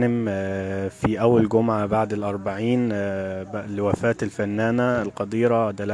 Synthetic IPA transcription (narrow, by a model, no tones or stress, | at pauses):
nɪm | fiʔæwːælɡʊmʕabaʕd̪elʔɑɾˤbaʕiːnblwæfæːt̪elfænːæːnælqɑd̪iːɾˤɑd̪æl